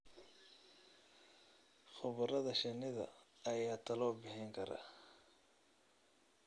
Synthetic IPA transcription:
χʊβɐɾɐðɐʃɪnɪðɐ̰ | ɐjaːt̪ʰɐlɔːbɪħɪŋkʰɐɾɐ̰

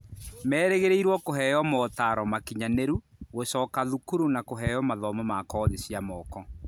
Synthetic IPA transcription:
mɛːɾeɣeɾeiɾwɔkoɦɛjɔmɔtaɾɔmakiɲaneɾuɣosɔkaðukuɾunakoɦɛjɔmaðɔmamakɔːðesjamɔkɔ

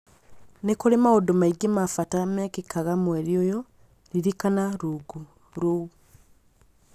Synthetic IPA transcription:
nekoɾemaodomaiɡemafatamɛkekaɣamweɾiojɔ | ɾiɾikanaɾuɡu | ɾou

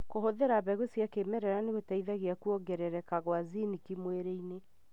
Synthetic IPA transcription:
kohoðeɾaβɛɣwesjakemɛɾɛɾaneɣetaiðaɣeakuɔɡɛɾɛɾɛkaɣwazinikimweɾeine

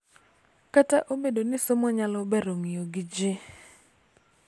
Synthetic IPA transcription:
kataʔobedonɪsomɔɲalɔbɛɾoŋijoɡɪd͡ʒɪ

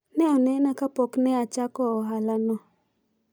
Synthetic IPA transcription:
nɛɔnɛnakapɔknɛat͡ʃakɔɔɦalanɔ

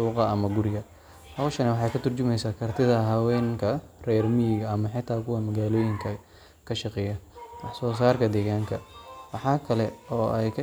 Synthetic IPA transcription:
uːqɑɐmɐɡʊɾɪɣɐ | hɐwʃɐnɐwɑħɑjkʰɐt̪ʰʊrt͡ʃʊmɛjsaːkʰɐrt̪ʰɪðɐɦɐwɛːŋkʰɐrɛːrmiːɣɐɐmɐħɪt̪ʰaːkʰʊwɐmɐɣaːlɔːjɪŋkʰɐ | kʰɐʃɑqɛjɐwɑħsɔːs̬aːrkʰɐd̪ɛːɣaːŋkʰɐwɑħɑːkʰɐlɛɔːʔɛjkʰɐ

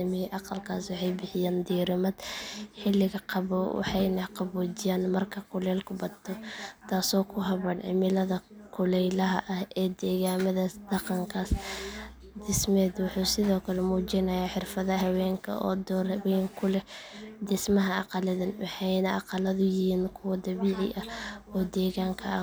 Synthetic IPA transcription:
ɐmɪʔɑqɑlkʰaːswɑħɑjbɪħɪjaːnd̪iːɾɪmɐd̪ħɪlːɪɣɐqɑβwɑ̰ħɑjnɐqɑβɔːd͡ʒɪjaːnmɐrkʰɐkʰʊlɛːlkʰʊbɐt̪ʰɔt̪ʰaːsɔːkʰʊɦɐβɐːnʕɪ̰mɪlɐðɐkʰʊlɛjlɐɦɐʔɐhɛːd̪ɛːɣaːmɐðasd̪̥ɐqɑŋkʰaːs | d̪ɪsmɛːd̪wʊħuːsɪðɔːkʰɐlɛmuːt͡ʃɪnɐjaːħɪrfɐðɐɦɐwɛːŋkʰɐ̰ʔɔ̰ːd̪ɔːɾβɛjŋkʰʊlɛd̪ɪsmɐɦɐʔɑ̰qɑlɐðɐnwɑħɑjnɐʔɑqɑlɐðʊjɪhiːnkʰʊwɐd̪ɐβiːʕɪ̰ʔɐɔːd̪ɛːɣaːŋkʰɐ̰ʔa

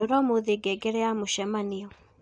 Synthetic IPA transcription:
oɾɔmoðeɡɛɡeɾɛamoʃɛmaneɔ

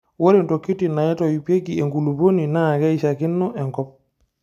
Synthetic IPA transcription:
woɾintokːitinajɛtɔjipekiɛŋɡuluboninaɡajʃakinːɔʔɛŋkɔp̚

